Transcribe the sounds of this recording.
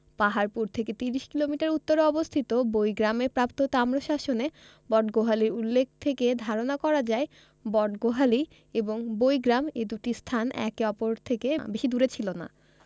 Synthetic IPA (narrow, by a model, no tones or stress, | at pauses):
paɦaɾpuɾt̪ʰeket̪iɾiʃkilomiʈaɾut̪ːoɾeɔbost̪ʰit̪obojɡɾamepɾapt̪ot̪amɾoʃaʃone | bɔɖɡoɦaliɾulːek̚ʰt̪ʰeked̪ʱaɾonakɔɾad͡ʑae | bɔɖɡoɦali | eboŋbojɡɾamed̪uʈist̪ʰanɛ̰keɔpoɾt̪ʰekebeʃid̪uɾet͡ɕʰilona̰